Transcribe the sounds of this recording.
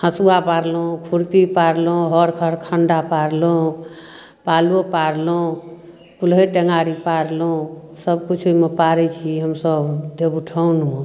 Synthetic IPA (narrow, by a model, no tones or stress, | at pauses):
hə̃suapaɾlõkʰuɾt̪ipaɾlõɦəɾkʰəɾkʰəɳɖapaɾlõ | paluopaɾlõ | pulɦeʈeŋaɾipaɾlõsəbkut͡ʃʰumepaɾɛt͡ʃʰiɦəmsəbd̪ebuʈʰəun